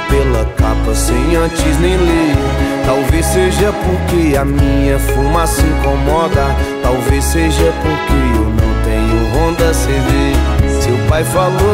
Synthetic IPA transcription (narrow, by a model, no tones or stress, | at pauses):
pelɐkapɐsẽj̃ɐ̃t͡ʃɪznẽj̃let̪awveseʒɐpoɾkeɐmĩɲɐfumasĩkõmɔd̪ɐt̪awvesseʒɐpoɾkeewnɐ̃w̃t̪ẽɲʊɦõd̪ɐsẽdesewpajfalo